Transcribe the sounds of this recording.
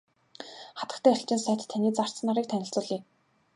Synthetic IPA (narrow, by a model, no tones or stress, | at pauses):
χat̪ə̆kt̪ʰæːɪ̆ɬt͡ɕɪ̆nsæːt̪t̪ʰːaniːt͡sar̥t͡sə̆nːaɾiːkt̪ʰænʲɪ̆ɬt͡sʊːɮiː